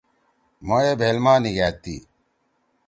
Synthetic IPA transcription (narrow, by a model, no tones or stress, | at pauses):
mojeːbʱeːlmaːniɡæːt̪ːḭː